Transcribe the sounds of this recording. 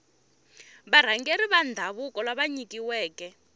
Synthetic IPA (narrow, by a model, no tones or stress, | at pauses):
βaɾ̤aŋɡeɾiβandʱaβukɔlaβaɲikiwɛːkɛ